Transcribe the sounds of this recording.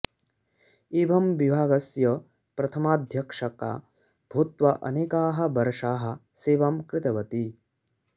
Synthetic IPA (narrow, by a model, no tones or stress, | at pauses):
eːbʱɐmʋibʱaːɡɐsjɐ | pɾɐt̪ʰɐmaːd̪ʱjɐkʂɐka̰ː | b̥ʱut̪ʋɐʔɐ̰neːkaːɦɐ̆bɐɾʂaːɦɐ̆ | seːʋɐmkɾɪt̪ɐʋɐt̪i